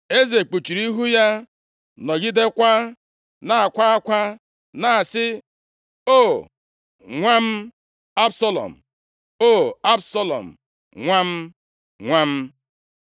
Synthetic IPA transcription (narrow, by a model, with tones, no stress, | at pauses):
e˦ze˨k͡pu˨t͡ʃi˨ɾi˦ɦu˦ja˦ | nɔ˨ɡi˦de˦kʷa˦ | na˨a˨kʷa˦a˦kʷa˦ | na˨sɪ˦ | o˦˨ | ŋʷa˦m̩˦ | a˦bsa˦lɔ̰˨m̩˨ | o˦˨a˦bsa˦lɔ̰˨m̩˨ | ŋʷa˦m̩˦ | ŋʷa˦m̩˦